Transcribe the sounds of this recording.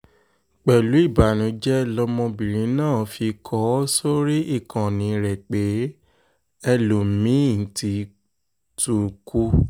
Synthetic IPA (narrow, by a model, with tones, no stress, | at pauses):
k͡pɛ˨lu˨˦i˦˨ba˨nũ˨˦d͡ʒɛ˦lɔ˧˦mɔ̃˧bĩ˨ɾ̃ĩ˨˦nãː˦˨fi˧kʰɔ˨˦so˦ɾi˦ʔi˦˨kã˨nĩ˨˦ɾɛ˨k͡pe˨˦ | ɛ˧lo˨mĩ˨˦˨n̩˨ti˧˦ | tu˨kʰu˦